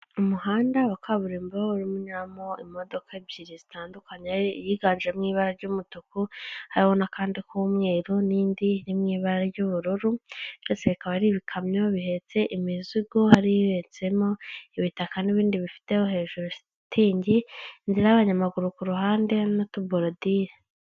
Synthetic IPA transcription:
umuhaːndaβakʰaβuɾiːmbawouɾimuɲiɾamoimo̞do̞kabiɾizitaːndukaɲejiɡaːnʒiemŋiːβaɾaɾɟumutukuhaɾiwo̞nakaːndikumŋe̞ːɾuniːndinimŋiːβaɾɾaɾɟuβuɾuɾuβjot͡seβikaβaɾiβikʰamɲo̞βihe̞t͡se̞ʔimiziɡohaɾihet͡se̞mo̞iβitakaniβiːndiβifi̥te̞hohe̞ːʒuɾu | tʰiːɲɟinziɾaaβaɲamaɡuɾukuɾuɦaːnde̞notuboɾodiɾe

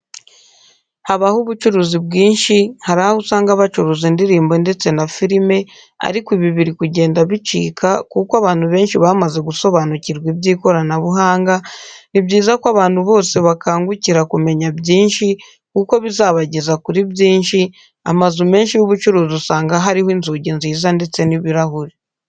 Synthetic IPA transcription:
haβahuβut͡ʃuɾuːzibɡiːnʃihaɾahahusaːŋɡaβat͡ʃuɾuːzindiɾiːmbo̞nde̞t͡se̞nafiɾime̞ | a̰ɾikwiβiβiɾikuɟe̞ːndaβit͡ʃḭːkʰakukwaβaːn̥huβe̞ːnʃiβaːmaze̞ɡuso̞βanuciɾɡwibɟiːko̞ɾanaβuɦaːŋɡanibɟiːzakwaβaːn̥huβo̞ːse̞βakaːŋɡuciɾakume̞ɲabjiːnʃi | kuko̞βizaːβaɟe̞zakuɾibɟiːnʃi | a̰mazume̞ːnʃijuβut͡ʃuɾuːzusaːŋɡaɦaɾihoiːnzuːɟenziːzande̞t͡se̞niβiɾaɦuɾi

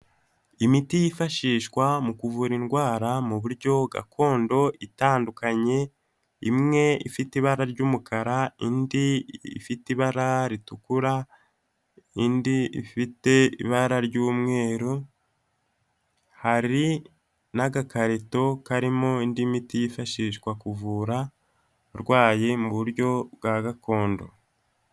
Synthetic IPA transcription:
imitijifaʃiːʃkwamukuvuɾinɡwaːɾamuβuɾɟo̞ɡa̰kʰo̞ːndo̞itaːndukaɲe̞ | imŋe̞ḭfitiβaɾaɾɟuːmukʰaɾaindiḭfitiβaɾaɾitukuɾa | indiḭfite̞ḭβaɾaɾɟuːmŋe̞ːɾu | haɾi | naɡakaɾeto̞kaɾimo̞indimitijifaʃiːʃkwakuvuːɾa | ɾɡwaːje̞muβuɾjo̞βɡaɡako̞ːndo̞̰

